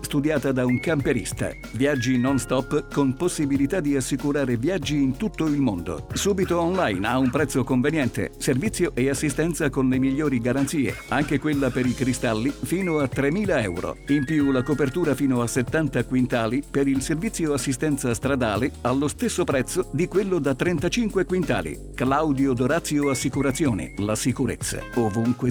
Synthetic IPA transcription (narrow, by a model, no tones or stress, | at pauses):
st̪ud̪jaːt̪ad̪auŋkampeɾḭst̪a̰ | viad͡ʒːinonst̪ɔpːkomposːibilit̪ad̪ːiasːikuɾaːɾevjad͡ʒːiːnt̪ut̪ːoilmond̪o̰suːbit̪oɔnlajnaumpɾɛt̪sːokoɱvenjɛnt̪ḛservit̪sːjoʔeasːist̪ɛnt̪sakonlemiʎːoːɾiɡaɾant̪siːḛaŋkekwelːapeɾikɾist̪alːifiːnoat̪ːɾemːiːlaɛ̰wɾo̰impjulakopert̪uːɾafiːnoaset̪ːant̪akwint̪aːlipeɾilservit̪sːjoasːist̪ɛnt̪sast̪ɾad̪aːlealːost̪esːopɾɛt̪sːod̪ikwelːod̪at̪ːɾɛnt̪at͡ʃiŋkwekwint̪a̰ːlḭ | klawd̪jod̪oɾat̪sːjoasːikuɾat̪sjoːnḛlasikuɾet̪sːa̰ovuŋkwe